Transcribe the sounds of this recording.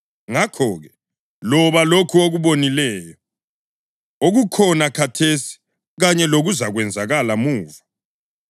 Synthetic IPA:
ŋakʰɔːɣɛ | lɔβalokʰuoɣuβonilɛːjɔ | oɣukʰɔnakʰatʰesi̥ | ɣaɲɛloɣuzaɣwɛnd͡zʱaɣalamuːva

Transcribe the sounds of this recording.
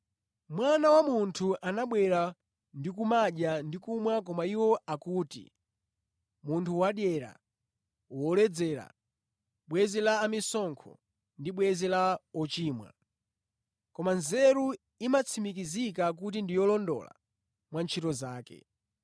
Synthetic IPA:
mwanawamuntʰuʔanaɓwɛɾa | ndikumaɗandikumwakɔmaiwɔakuːtḭ | muntʰuwaɗjɛɾa̰ | wɔlɛd͡zɛːɾa̰ | ɓwɛzɛlaːmisɔŋkʰɔ̰ | ndiɓwɛzɛlaɔt͡ʃiːmwa̰ | kɔmanzɛɾu | imat͡sʰimik̬izikak̬ut̬indijɔlɔndɔ̰la̰ | mwant͡ʃʰitɔzaːkɛ̰

